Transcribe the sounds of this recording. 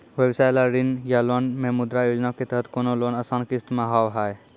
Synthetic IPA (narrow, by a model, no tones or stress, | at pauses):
ʋjəbsajlaɾinjalonmẽmʊd̪ɾajoːd͡ʒnaket̪əɦət̪koːnolonəsãnkɪst̪maɦawɦaj